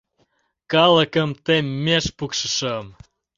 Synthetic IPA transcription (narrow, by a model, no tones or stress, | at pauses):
kɑləkəmt̪emːeʃpukʃəʃəm